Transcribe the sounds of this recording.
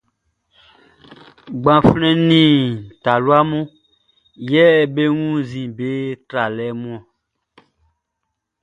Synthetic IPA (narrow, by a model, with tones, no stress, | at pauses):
ɡ͡bã˨flɛ̃˦nĩ˨ta˨lu˦a˦mũ˦ | jɛ˦˨be˦ŋũ˦zĩ˨be˦tɾa˨lɛ˨˦mũ˦ã˨